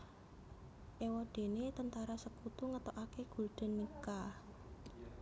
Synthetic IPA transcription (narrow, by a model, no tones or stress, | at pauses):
ʔewɔɖ̥e̤net̪ənt̪aɾasəkut̪uŋət̪oʔakeɡ̥ṳlɖ̪̥ə̤nːika